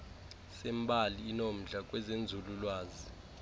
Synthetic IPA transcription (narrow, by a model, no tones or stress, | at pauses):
sɛmbʱaliːnom̩ɮak̬ʼwɛzend͡zʱululwaːzi